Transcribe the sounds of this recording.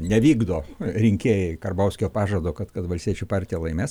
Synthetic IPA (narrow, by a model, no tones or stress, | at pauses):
nʲɛʋʲiːɡd̪oːɾʲɪŋʲkʲeːjɛɪkɐrbɐʊsʲkʲoːpɑːʒɐd̪oːkɐt̪kɐt̪ʋɐlʲsʲt̪ʲiɛt͡ʃʲʊpɑːɾʲt̪ʲijɛlˠɐɪmʲeːs